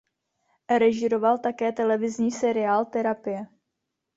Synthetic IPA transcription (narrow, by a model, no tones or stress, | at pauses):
ɾɛʒɪɾo̞valt̪akɛːt̪ɛlɛvɪzɲiːsɛɾɪaːlt̪ɛɾapɪjɛ